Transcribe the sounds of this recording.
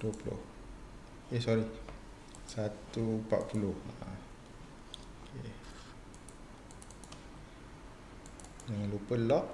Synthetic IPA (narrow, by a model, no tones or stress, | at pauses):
duəpulʊ̰h | okesɔɾi | sat̪upa̰ʔ̪̚puloha | ke | dəŋãnlupəlɔʔ